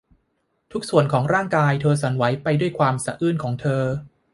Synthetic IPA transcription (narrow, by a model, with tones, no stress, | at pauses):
t̪ʰu˦˥k̚su˨˩ənkʰɔː˩˦ŋɾaː˥˩ŋkaː˧jt̪ʰɤː˧sa˩˦nwa˩˦jpa˧jdu˥˩əjkʰwaː˧msa˧ʔɯː˥˩nkʰɔː˩˦ŋt̪ʰɤː˧